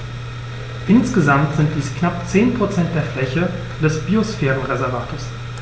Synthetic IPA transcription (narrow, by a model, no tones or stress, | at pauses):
ʔɪnsɡ̥əzamtz̥ɪnt̚d̥iːsknapt͡seːnpʁ̥ot͡sɛnt̚d̥eːɐflɛçə | d̥ɛsb̥iosfɛːʁən̩ʁɛzɛɐvaːtʰos